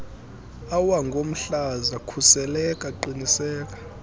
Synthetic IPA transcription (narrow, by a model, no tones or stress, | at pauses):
awaŋɡʱom̩ɬazakʰusɛlɛkʼaǃinisɛːk̬ʼḁ